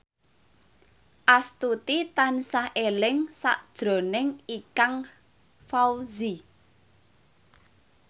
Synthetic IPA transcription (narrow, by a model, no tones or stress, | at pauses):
ʔast̪ut̪it̪ansahʔelɪŋsa̰ʔd̥ʒ̥ɾo̤nɪŋikaŋ | fawzi